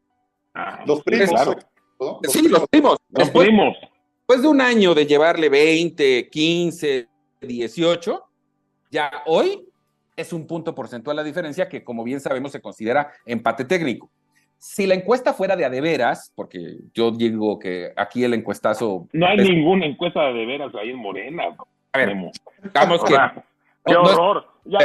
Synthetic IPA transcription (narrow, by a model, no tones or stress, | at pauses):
alospɾia | osilospɾimosespweimos | espwe̞zðeunaɲo̞ðe̞ʝe̞βaɾle̞βejnt̪ekinse̞ | ðje̞sjo̞t͡ʃo̞ | ɟ͡ʝao̞j | e̞sumpunt̪o̞po̞ɾsent̪walaðife̞ɾe̞nsjake̞ko̞mo̞βje̞nsaβemosːe̞ko̞nsiðe̞ɾae̞mpat̪e̞t̪e̞ɣniko̞̥ | silaeŋkwe̞st̪afwe̞ɾaðeaðe̞βe̞ɾaspo̞ɾke̞̰ɟ͡ʝo̞ðiɣo̞ke̞̰a̰kie̞le̞ŋkwe̞st̪aso̞noajnĩŋɡunaeŋkwe̞st̪aðeaðeβeɾasaienmoɾela̰ | aβeɾemiamose | eonooɾ | ʝa